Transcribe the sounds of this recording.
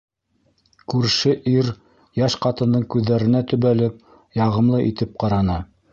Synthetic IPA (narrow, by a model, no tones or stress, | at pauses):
kʉɾʃɘʔiɾ | jæʃqɑt̪ɤ̆nɤɴkʉðːæɾɘ̆næt̪ɵ̆βælɘp̚ | jɑʁɤ̆mlˠɤʔit̪ɘp̚qɑɾɑnɤ